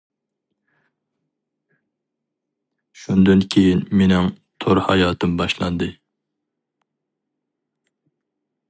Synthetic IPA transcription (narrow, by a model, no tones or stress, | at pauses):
ʃund̪ɨnkʲʰejinmenɪŋ | t̪ʰoɾhɑjɑːt̪ʰɨmbɑʃlˠɑ̰nd̪ɨ